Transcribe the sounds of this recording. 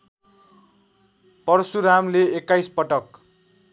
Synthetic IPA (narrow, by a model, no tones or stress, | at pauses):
pʌrsuɾamleekːajspʌʈʌk